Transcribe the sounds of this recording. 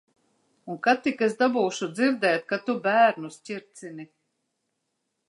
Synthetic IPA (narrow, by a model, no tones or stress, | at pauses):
uŋkat̪ikesd̪abuːʃud̪ziɾd̪ɛːjt̪̚kat̪ubæːɾnusʲciɾt̪sini